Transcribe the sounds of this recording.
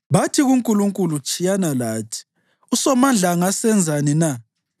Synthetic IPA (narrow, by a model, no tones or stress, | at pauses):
βatʰiɣuŋkʼuluŋkʼulut͡ʃʼijanalaːtʰi̥ | usɔmand͡ɮʱaŋasɛnd͡zʱanina